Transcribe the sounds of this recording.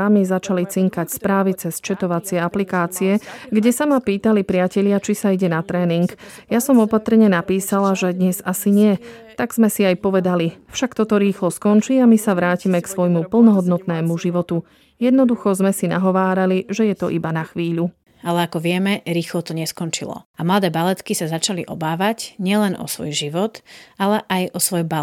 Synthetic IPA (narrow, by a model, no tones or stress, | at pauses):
amizat͡ʃalit͡siŋkacspɾaːʋit͡sɛst͡ʃɛt̪ɔʋat͡sɪɛaplikaːt͡siɛɡɟɛsamapiːt̪alipɾɪacɛʎɪat͡ʃisaiɟɛnat̪ɾɛːniŋkjasɔmɔpat̪r̩ɲɛnapiːsalaʒɛd̪ɲɛzasiɲɪɛt̪aɡz̥mɛsiajpɔʋɛd̪alifʃakt̪ɔt̪ɔɾiːxlɔskɔnt͡ʃiːamisaʋɾaːcimɛksʋɔjmupl̩nɔɦɔd̪nɔt̪nɛːmuʒiʋɔt̪u | jɛd̪nɔd̪uxɔzmɛsina̰ɦɔʋaːɾaliʒɛjɛt̪ɔʔibanaxʋiːʎu | alɛakɔʋɪɛmɛɾiːxlɔt̪ɔɲɛskɔnt͡ʃilɔ̰amlad̪ɛːbalɛt̪kisazat͡ʃaliʔɔ̰baːʋacɲɪɛlɛnʔɔ̰sʋɔjʒiʋɔt̪alɛʔajɔsʋɔjba